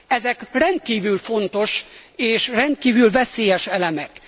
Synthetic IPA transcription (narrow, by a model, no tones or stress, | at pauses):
ɛzɛkrɛnt̪̚kiːvylfo̞nt̪o̞ʃeːʃrɛnt̪̚kiːvylvɛseːjɛʃɛlɛmɛk